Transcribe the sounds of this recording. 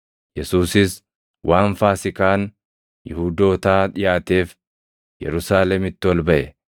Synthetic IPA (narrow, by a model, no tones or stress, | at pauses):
jɛsuːsɪs | wʔaːnfaːsɪkaːn | jɪhuːd̪o̞ːt̪aːᶑ̪ɪjaːt̪e̞ːf | jɛ̰ɾʊsaːlɛmɪt̪ːɪwɔlbɐʔɛ